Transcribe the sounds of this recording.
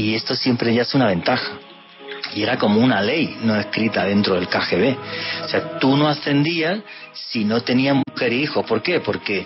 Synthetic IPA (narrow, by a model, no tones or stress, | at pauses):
ie̞st̪o̞sje̞mpɾe̞ʝaesunaβ̞e̞nt̪axḁ | ie̞ɾako̞mounale̞jno̞e̞skɾit̪að̞e̞nt̪ɾo̞ðe̞lkaxe̞β̞e̞o̥se̞at̪uno̞ast̪e̞nd̪iasː | ino̞t̪e̞niamuxe̞ɾiixo̞hpo̞ɾke̞po̞ɾke̞